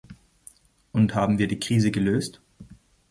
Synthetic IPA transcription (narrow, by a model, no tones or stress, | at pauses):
ʔʊnthaːbm̩viːɐdiːkʁ̥iːzəɡəløːst